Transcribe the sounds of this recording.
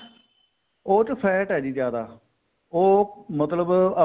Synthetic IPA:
oːt͡ʃəpʰɛːʈɦɛːd͡ʒiːd͡ʒjaːd̪aː | oːmət̪ləbə

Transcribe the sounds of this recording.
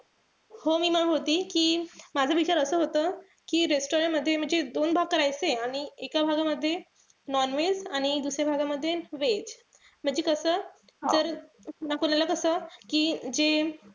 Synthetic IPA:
homiːməɦot̪iːkiːmad͡zʱəʋit͡ɕaɾəsəːɦot̪əː | kiːɾesʈoɾəɳʈməd̪ʱːjem̤əɳd͡zed̪onbʱaɡ̚kəɾajt͡seaɽ̃iekabʱaɡaməd̪ʱːje | nɔnʋed͡zaɽ̃id̪usɾjabʱaɡaməd̪ʱːjeʋed͡ʑ | m̤əɳd͡zekəsəː | d͡zəɾ | nakonajlakəsəkiːd͡ʑe

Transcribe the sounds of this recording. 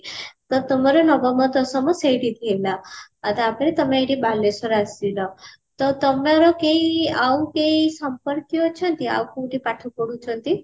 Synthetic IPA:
t̪ɔt̪ɔmaɾɔnɔɡɔmɔd̪ɔsɔmãsejʈid̪ʱielaːt̪aːpɾet̪əmeeʈibalesɔɾasilɔ | t̪ɔt̪əmaɾɔkeiaũkeisəmpəɾkjɔt͡ʃʰɔnt̪ia̰ũkoũʈipaʈʰukɔɽũt͡ʃʰɔnt̪i

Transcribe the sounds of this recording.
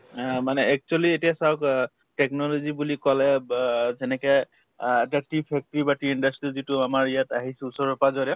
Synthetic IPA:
manɛɛk̚t͡ʃualietijasawk | tɛk̚nɔlɔzibulikɔlɛzɛnɛkɛ | ɛtatipʰɛk̚tɔɹibatiindastɹizituamaɹijataɦisɛusɔɹɔpazɔɹɔ

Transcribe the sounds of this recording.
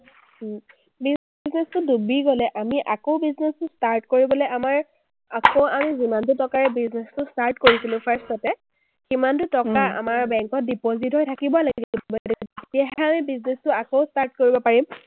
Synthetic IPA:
bi | znɛstʊdubiɡɔlɛʔamiʔakoʊbiznɛstʊstaɹtkoɹibɔlɔjamaɹ | akoamizimant̬utɔkaɹɛbiznɛstʊstaɹtkoɹisilʊ̃pʰaɹstɔtɛ | kimantutɔkaa̰maɹbɛŋkɔt̚dipozitɦɔjtʰakibɔlaɡiubbɔdɛeetijaɦɛamibiznɛstʊakoʊstaɹt̚koɹibɔpaɹim

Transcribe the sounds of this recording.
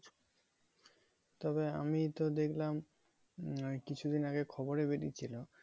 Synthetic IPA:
t̪ɔbea̰mit̪od̪ekʰlam | kit͡ɕʰud̪inaɡekʰɔboɾebeʈit͡ɕʰilo

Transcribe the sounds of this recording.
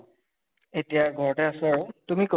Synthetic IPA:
etijaɡʱɔɹɔtɛasʊaɹʊtumiko

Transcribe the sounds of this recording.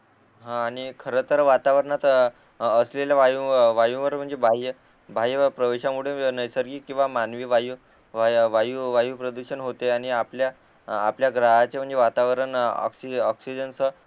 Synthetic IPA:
ɦãːɽ̃ikʰəɾət̪əɾʋat̪aʋəɾəɳat̪ | əsleljaʋajũʋajũʋəɾm̤əɳd͡zebʱaj | bʱajpɾəʋeɕamuɽ̤enəjsəɾɡiːkĩw̃ʋamanʋiːʋaju | ʋʋajuːʋajuːpɾəd̪uɕənɦot̪eaɽ̃iaplja̰ː | pljaɡɾaɦat͡sem̤əɳd͡zeʋat̪aʋəɾənɔ̰ksiɔksid͡ʑənsə

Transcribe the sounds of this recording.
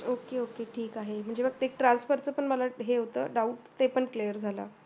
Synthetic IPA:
okeokeʈʰiːkaɦem̤əɳd͡zebəɡ̚t̪ek̚ʈɾansfəɾt͡səpəɳməlaɦeɦot̪ə̰ːɖauʈt̪epəɳklejəɾd͡zʱala̰

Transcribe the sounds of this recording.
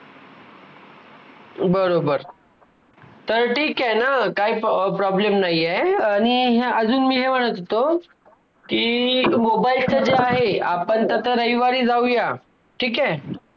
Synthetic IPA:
bəɾobəɾ | t̪əɾʈʰiːkɛnakaiːppɾɔblemnajːeaɽ̃iɦeəd͡zuːnmiːɦem̤əɽ̃ət̪t̪o | kiːmobailt͡ɕad͡ʑeaɦea̰pəɳt̪ət̪əɾəjʋaɾiːd͡zauja | ʈʰiːkɛ

